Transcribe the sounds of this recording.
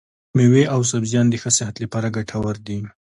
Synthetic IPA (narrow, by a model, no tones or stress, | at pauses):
meweʔaws̬abzjɑnd̪exəsɪɦat̪lapɑɾaɡaʈʰawaɾd̪i